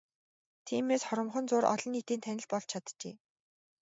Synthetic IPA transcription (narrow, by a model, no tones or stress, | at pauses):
t̪ʰiːmeːsχɔɾə̆mχɞ̆nt͡sʊːɾɔ̰ɮɞ̆nit̪iːnt̪ʰænʲɪ̆ɮpɔɮt͡ɕʰat̪t͡ɕḛː